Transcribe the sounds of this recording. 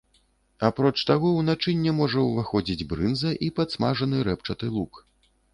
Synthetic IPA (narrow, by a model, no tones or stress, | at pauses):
apɾɔt͡ʂt̪aɣɔwnat͡ʂɨnʲːɛmɔʐɐwvaxɔd͡zʲid͡zʲbɾɨnzɐʔipat̪smaʐɐnɨɾɛpt͡ʂɐt̪ɨlˠuk